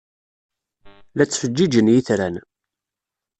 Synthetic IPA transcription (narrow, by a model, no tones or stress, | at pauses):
læt͡sːfəd͡ʒːid͡ʒənjiθɾæn